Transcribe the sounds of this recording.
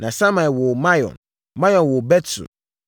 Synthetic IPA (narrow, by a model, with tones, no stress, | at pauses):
nã˨sã˦mã˨wɔ˨mã˦jɔ̰̃˨n | mã˦jɔ̃˨nwɔ˨bɛ˦tʰṵ˨